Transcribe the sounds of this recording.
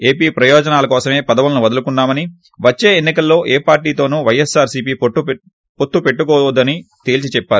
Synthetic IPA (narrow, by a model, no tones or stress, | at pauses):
e̞ːpiːpɾɐjɔːd͡ʒɐnaːlɐkɔːsɐme̞ːpɐd̪ɐʋulɐnuʋɐd̪ɐlukunːaːmɐni | ʋɐt͡ʃːe̞ːenːikɐlːo̞ːʔeːpaːɾʈiːt̪o̞ːnuːʋɐjesaːɾsiːpiːpːu | pot̪ːupe̞ʈːukɔːd̪ːɐnit̪eːlt͡ʃit͡ʃɛpːaːɾ